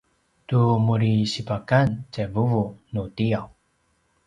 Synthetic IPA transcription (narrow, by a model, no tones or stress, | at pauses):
tumuɾisipakant͡ɕavuvunutiaw